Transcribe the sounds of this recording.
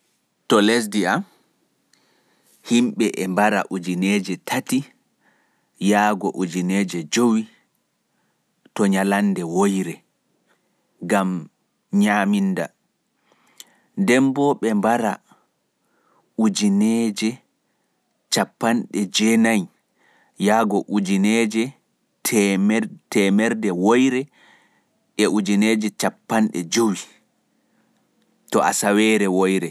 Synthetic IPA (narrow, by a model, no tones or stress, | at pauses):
tɔlɛs̬diam | himɓɛʔɛmbaɾa̰ʔud͡ʒinɛːd͡ʒɛtʰati | jaːɡɔʔud͡ʒinɛːd͡ʒɛd͡ʒowi | tɔɲalanːdɛwojɾɛ | ɡam | ɲaːminda̰ | dɛmbɔɓɛmbaɾa | ud͡ʒinɛd͡ʒɛ | t͡ʃapːanɗɛd͡ʒɛnaj | jaːɡɔʔud͡ʒinɛd͡ʒɛ | tʰɛmtɛmɛɾdɛwojɾɛ | ʔɛʔud͡ʒinɛːd͡ʒɛt͡ʃapːanɗɛ̰d͡ʒowi | tɔʔa̰sawɛɾɛwojɾɛ